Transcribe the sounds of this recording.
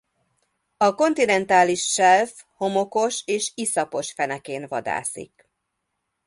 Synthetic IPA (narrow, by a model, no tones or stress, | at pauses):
ɒko̞nt̪inɛnt̪aːliʃːɛlf | ho̞mo̞ko̞ʃeːʃisɒpo̞ʃfɛnɛkeːnvɒ̰d̪a̰ːsḭk